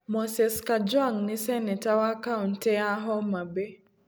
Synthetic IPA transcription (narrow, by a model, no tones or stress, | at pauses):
mɔsɛskad͡ʒwaŋnɪsɛnɛtawakauntɛaɦɔmabe